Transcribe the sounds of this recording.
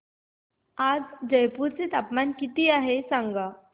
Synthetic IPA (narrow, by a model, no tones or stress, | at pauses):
ad͡zd͡ʑəjpuɾt͡set̪apmankit̪iaɦesãŋɡa